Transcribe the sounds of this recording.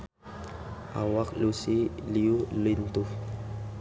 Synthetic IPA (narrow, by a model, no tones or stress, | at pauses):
ʔa̰waklusiliulint̪u